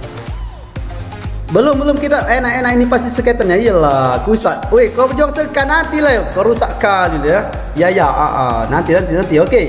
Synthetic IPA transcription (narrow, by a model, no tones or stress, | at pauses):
bəlʊmbəlʊmkit̪aɛnaɛnainipast̪isəkɛt̪ənɲaijəlakuspat̪̚wekalobəd͡ʒuaŋsəkanant̪ilajkəɾusaʔkalilja | jajaa̰ʔa̰nant̪inant̪inant̪ioke